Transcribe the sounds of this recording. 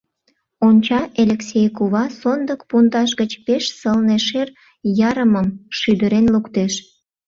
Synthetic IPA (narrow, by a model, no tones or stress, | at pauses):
onʲt͡ɕɑʔelʲeksʲejkuβɑsond̪əkpund̪ɑʃ̬ɡət͡ɕpeʃsəlneʃer | jɑɾəməmʃyd̪əɾenlukt̪eʃ